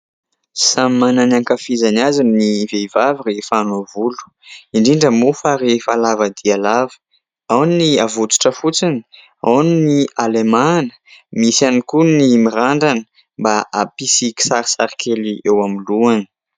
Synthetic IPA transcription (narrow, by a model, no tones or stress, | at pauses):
sammananaŋkafizanazinniveivavirefanovulu̥ | iɳɖ͡ʐiɳɖ͡ʐəmufaɾefalavad̪ialavə̥ | awniniavut͡su̥ʈ͡ʂəfut͡sini̥ | awninialemanə̥misanikunimiɾaɳɖ͡ʐanə̥ | mbaa̰pisiki̥saɾisaɾikʰeliewamiluanə̥